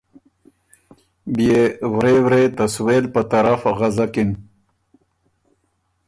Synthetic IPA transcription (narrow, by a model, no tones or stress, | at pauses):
bijewɾewɾet̪asweːlpat̪aɾafaɣazakin